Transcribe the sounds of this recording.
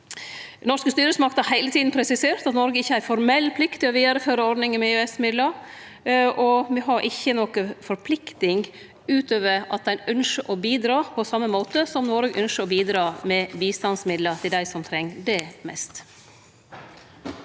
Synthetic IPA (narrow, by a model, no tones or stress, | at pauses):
nɔʂkəst̪yːɾəsmɑkt̪hɑɾhæɪlət̪ʰiːd̪n̩pʰɾɛsɪseːɾt̪ɑt̪nɔɾɡəɪçːəæɾfɔɾmɛlːpʰlɪkt̪ɪɔʋiːd̪əɾføːɾəɔɾɖnɪŋəmɛøːɛsmɪd̪ləɾ | ʔɔʋɪɦɑɾʔɪçːənɔkəfɔɾpʰlɪkt̪ɪŋ | ʉːt̪øːʋəɾɑt̪̚d̪ɛɪnʉnʂəʔɔbiːd̪ɾɑːpʰɔsɑmːəmoːt̪əsɔmnɔɾɡəʔœnʂəɔbiːd̪ɾɑːmɛbiːst̪ɑnsmɪd̪lət̪ʰɪld̪æɪsɔmt̪ʰɾɛŋːd̪ɛmɛ̰st̪